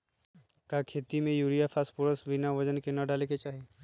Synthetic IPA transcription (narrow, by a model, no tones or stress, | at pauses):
kakʰeːt̪imẽjuːɾijafʰaːspoɾəsbɪnaʋɐd͡ʒənkenaɖaːleket͡ʃaːɦieː